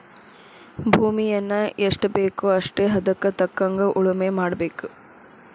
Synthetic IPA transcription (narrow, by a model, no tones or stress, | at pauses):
bʱuːmijɐnːɐeʂʈɐbe̞ːkuɐʂʈeːɦɐd̪ɐkːɐt̪ɐkːɐŋɡɐʔuɭumemaːɽɐbe̞ːku